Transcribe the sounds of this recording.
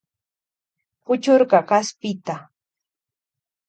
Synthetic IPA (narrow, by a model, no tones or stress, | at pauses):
pʊt͡ʃʊɾɢɑkaspɪt̪a